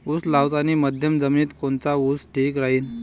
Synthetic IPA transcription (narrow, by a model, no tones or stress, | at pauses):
uslawt̪añiməd̪ʱjəmd͡zəmiːt̪kont͡sausʈʰikɾaɦiːn